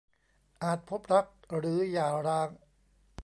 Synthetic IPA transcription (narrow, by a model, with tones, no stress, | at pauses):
ʔaː˨˩t̪̚pʰo˦˥p̚ɾa˦˥k̚ɾɯː˩˦jaː˨˩ɾaː˧˥ŋ